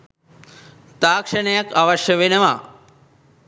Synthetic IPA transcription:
t̪aːkʂɐɳɐjɐkaʋɐʃjɐʋinɐʋa

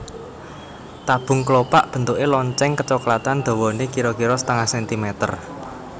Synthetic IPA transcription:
t̪ab̥ʊ̤ŋklopa̰ʔb̥ə̤nt̪ukelɔɲt͡ʃɛŋkət͡ʃɔklat̪and̪̥o̤wɔnekiɾɔkiɾɔsə̥t̪əŋahsɛnt̪imɛt̪ə̰r

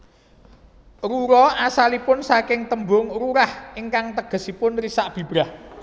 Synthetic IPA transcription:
ruɾɔasalipʊnsakɪŋt̪əmbʊŋɾuɾahɪŋkaŋt̪əɡ̥ə̤sipʊnrisaʔb̥i̤b̥ɾah

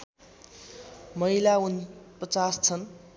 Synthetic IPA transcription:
mʌilaunpʌt͡sast͡sʰʌn

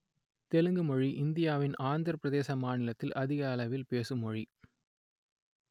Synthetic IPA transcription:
t̪ɛlɯŋɡɯmɔɻiʔɪnd̪ɪjaːʋɪnaːnd̪ɯɾɐpːɾɐðeːsɐmaːnɪlɐt̪ːɪlʔɐðɪɣɐːlɐʋɪlpeːsɯmɔɻi

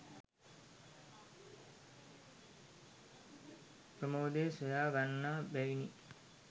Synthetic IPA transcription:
pɾəmoːd̪eːsojaːʋanːaːbæʋini

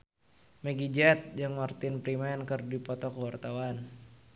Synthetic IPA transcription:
məɡid͡ʒat̪̚jaŋmart̪ɪnpɾimɛnkɨrdipɔt̪ɔkəwart̪awan

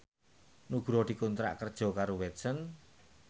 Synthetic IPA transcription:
nuɡ̥ɾɔd̪̥i̤kunt̪ɾa̰ʔkərd̥ʒ̥ɔ̤kaɾowɛt̪sən

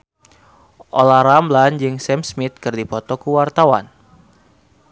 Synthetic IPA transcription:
ʔolaɾambland͡ʒɨŋsɛmsmit̪̚kɨrdipɔt̪ɔkuwart̪awa̰n

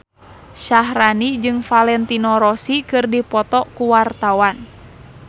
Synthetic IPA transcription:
ʃaɦranid͡ʒɨŋfalɛnt̪inɔɾɔsikɨrdipɔt̪ɔkuwart̪awan

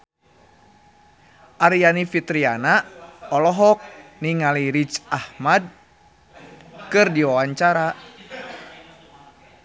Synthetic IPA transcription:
ʔaɾijanifit̪ɾianaɔlɔɦɔk̚niŋaliɾit͡ʃahmad̚ | kɨrdiwawaɲt͡ʃaɾa

